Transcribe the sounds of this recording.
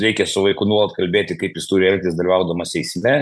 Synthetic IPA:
ɾʲɛɪkʲɛsʊʋɐɪkʊnuɔlˠɐt̪kɐlʲbʲeːt̪ʲɪkɐɪpjɪst̪uːɾʲɪɛlʲt̪ʲɪːzd̪ɐlʲʋɐʊd̪ɐmɐsʲɛɪsʲmʲɛ

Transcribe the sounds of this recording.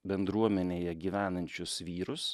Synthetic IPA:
bʲɛnd̪ɾuɔmʲɛnʲeːjɛɡʲiːʋʲæːnɐnʲt͡ʃʲʊsʋʲiːɾʊs

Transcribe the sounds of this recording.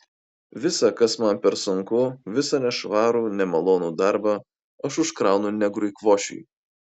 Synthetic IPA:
ʋʲɪsɑkɐsmɐnpʲɛɾsʊŋkʊʋʲɪsɐnʲɛʃʋɑːɾuːnʲɛmɐlˠoːnuːd̪ɑˑɾbɑː | ɐʃʊʃkɾɑˑʊnʊnʲɛɡɾʊɪkʋoːʃʲʊ̰ɪ

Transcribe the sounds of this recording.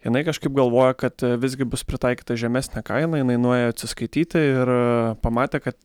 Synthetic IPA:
jɪnɐɪkɐʃkɐɪpɡɐlˠʋoːjɛkɐt̪ʋʲɪzʲɡʲɪbʊspʲɾʲɪt̪ɑɪkʲiːt̪ɐʒʲɛmʲæsʲnʲɛkɐɪnɐjɪnɐɪnueːjoɐt̪ʲsʲɪskɐɪt̪ʲiːt̪ʲɪɪɾpɐmɑːt̪ʲeːkɐt̪

